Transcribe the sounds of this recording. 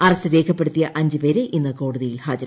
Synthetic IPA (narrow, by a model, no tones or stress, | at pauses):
ɐrɐsɨɾe̞ːkʰɐpːe̞ɽut̪ːijɐʔɐɲd͡ʑɨpeːɾeʔinːɐko̞ːɽuðijilhaːd͡ʑɐɾɐ